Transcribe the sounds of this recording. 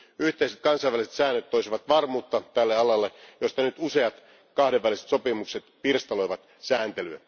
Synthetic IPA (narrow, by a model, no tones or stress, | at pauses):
yht̪eiset̪̚kɑnsɑiʋæliset̪sæːnːøt̪toisiʋɑt̪ʋɑrmuːt̪ːɑt̪ælːeɑlɑlːejost̪ɑnyt̪useɑt̪ | kɑhdeʋːælˑise̥t̪sopimukset̪pirst̪ɑloiʋɑt̪ | sæːnt̪elyæ